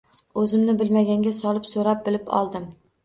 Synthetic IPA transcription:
ɵzɪmnɪbɪlmaɡʲaŋɡʲasɒlˠɪpsoɾap̚bɪlɪpɒ̰lˠd̪ɪm

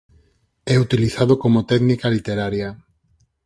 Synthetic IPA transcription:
ɛut̪iliθaðokomot̪ɛɣnikalit̪eɾaɾja

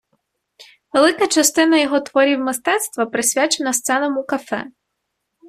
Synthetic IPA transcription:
ʋelˠɪkɐt͡ʃɐst̪ɪnɐjɔɦɔt̪ʋɔɾʲiwmɪst̪ɛt̪st̪ʋɐpɾesʲʋʲat͡ʃenɐst̪sɛnɐmukɐfɛ̰

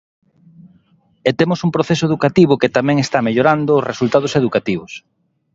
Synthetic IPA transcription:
et̪emosumpɾoθesoeðukat̪iβ̞ʊket̪amɛ̃ŋest̪ameʎoɾand̪ʊːzresult̪að̞oseðukat̪iβ̞ʊs

